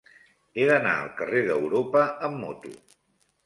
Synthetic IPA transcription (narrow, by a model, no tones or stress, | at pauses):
eðəna̰ə̰lˠkəreðəwɾopəəmːɔt̪ṵ